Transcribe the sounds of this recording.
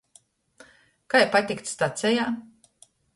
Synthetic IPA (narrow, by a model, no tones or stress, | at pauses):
kajpat̪ʲikt̪st̪at̪sʲɛjaː